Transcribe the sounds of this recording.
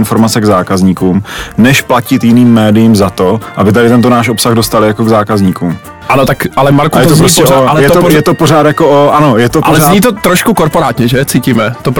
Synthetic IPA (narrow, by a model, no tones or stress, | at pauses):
ɪnfo̞ɾmat͡sɛɡzaːkazɲiːkuːmnɛʃplacɪt̪jɪniːmːɛːdɪjimzat̪o̞ʔabɪt̪adɪt̪ɛnt̪onaːʃʔo̞psaɣdo̞st̪alɪjako̞ɡzaːkazɲiːkuːm | ʔanot̪akʔalɛmaɾkujɛt̪ozɾɾosɛoaɛjɛt̪ojɛt̪opoɾaːt̪jakoʔoʔano̞jɛt̪oalɛzaɲiːt̪ot̪ɾoʃkukoɾpoɾaːt̪ɲɛʒɛt͡siːciːmɛt̪op